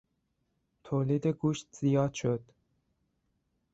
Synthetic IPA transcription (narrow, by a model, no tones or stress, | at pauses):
t̪ʰoːliːd̪eɡuːʃt̪z̥ijɒːd̪ʃod̪̥